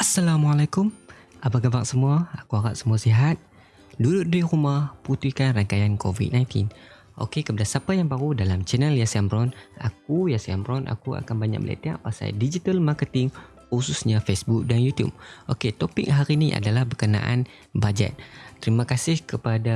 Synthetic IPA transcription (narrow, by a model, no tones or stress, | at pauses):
ʔasːalamalakʊm | ʔabaɡabaʔsəmuaakuaɡa̰ʔ̪səmuasiɦat̪̚ | dudʊʔ̚diɾumahput̪ikanraŋkajankovḭt̪̚naj̃nt̪ḭn | ʔo̰kekəpadasapajaŋbaɾudalamt͡ʃɛnəljasambɾɔna̰k̚ujasiambɾɔnʔa̰kua̰kanbaɲa̰k̚bəlʔa̰t̪ea̰ʔpasa̰did͡ʒit̪almakət̪ɪŋ | ususɲafesbuk̚danjut̪jṵb̚ʔoket̪opḭk̚ɦaɾiniʔa̰dalahbəkənã̰ʔa̰n | bad͡ʒɛ̰t̪̚t̪ːəɾimakasɪhkəpada